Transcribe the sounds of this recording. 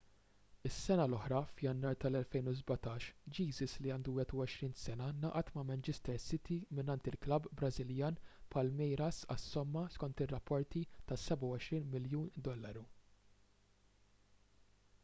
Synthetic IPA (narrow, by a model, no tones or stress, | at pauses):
ɪsːɛnɐlɔħɾɐfjɐnːɐːɾt̪ɐlɛlfɛjnuzbɐt̪ɐːʃd͡ʒiːzɪsliɐːnd̪uwɪt̪ʊwɔʃɾiːnsɛnɐnɐːʔɐt̪mɐmɛnt͡ʃɪst̪ɛɾsɪt̪imɪnɐnt̪ɪlklɐbːɾɐzɪljɐːnpʰɐlmɛjɾɐsɐ̰sːɔmːɐskɔnt̪ɪrːɐpʰːɔɾt̪it̪ɐsɛbɐwɔʃɾiːnmɪljuːnd̪ɔlːɐɾu